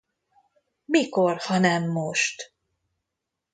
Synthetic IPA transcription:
miko̞rhɒnɛmːoʃt̪

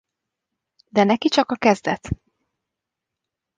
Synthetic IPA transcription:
d̪ɛnɛkit͡ʃɒkɒkɛzd̪ɛt̪

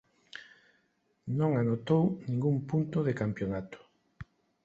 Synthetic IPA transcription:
nõŋanot̪ownĩŋɡumpunt̪ʊðekampjonat̪ʊ̥

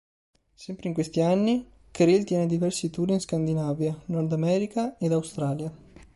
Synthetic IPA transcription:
sɛmpɾeiŋkwest̪ianːi | kɾilt̪jɛːned̪ivɛrsit̪uɾinskand̪inaːvjanɔrd̪amɛːɾikaed̪awst̪ɾaːlja

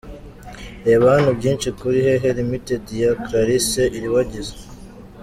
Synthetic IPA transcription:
eβanubɟiːnt͡ʃikuɾiɦeɦeɾimitedijakɾaɾiseʔiɾiwaɟize

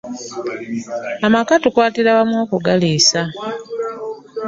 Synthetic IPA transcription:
amakatukwaːtiɾaβamwoːkuɡaliːsa

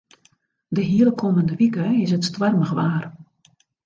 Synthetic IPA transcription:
dəɦiələkʰoːməndəʋikəɪsətstʋarməxʋaːr

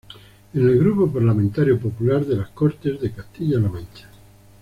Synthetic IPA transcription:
enelɣɾupopaɾlamẽnt̪aɾjopopulaɾðelaskoɾt̪e̞zðekast̪iʎalamãnt͡ʃḁ

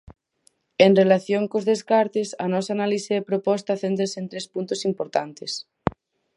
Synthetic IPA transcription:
enrelaθjoŋkozðeskaɾt̪esa̰nɔsaːnaliseðepɾopɔst̪aθent̪ɾesent̪ɾespunt̪osimpoɾt̪ant̪es

